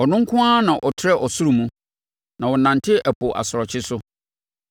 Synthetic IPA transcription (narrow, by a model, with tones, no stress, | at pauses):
ɔ˨nʊ̃˦ŋ̩˦kʰʊ̃˦a˦nã˨ʔɔ˨tʰɾɛ˦ʔɔ˨sʊ˦ɾu˨mũ˦ | nã˨wɔ˨nã˨ntʰɪ˦ʔæ˨pʊ˨ʔa̰˨sʊ˨ɾɔ˨t͡ɕʰɪ˦sʊ˦